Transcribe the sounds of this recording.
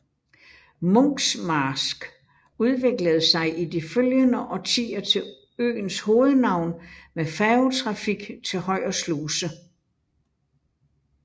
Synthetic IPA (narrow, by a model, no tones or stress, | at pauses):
mɔŋsmɑːsɡ̥ | uð̞ˠʋe̝ɡ̥ləð̞̩ˠsɑ̈ɪʔid̥iføljənəʔɒ̽t͡sʰḭːɐt͡sʰe̝ | ø̰ːnsho̝ːð̞̩ˠnɑ̈ʊ̰nmefɛːot͡sʰʁɑ̈fiɡ̥t͡sʰe̝lhɒ̽ɪ̰ɒsluːsə